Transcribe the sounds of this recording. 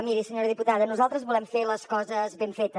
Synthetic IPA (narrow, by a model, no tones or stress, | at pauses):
miɾisəɲoɾəðiput̪aðənuzalˠt̪ɾəzβulɛmfeləskɔzəzβeɱfet̪ə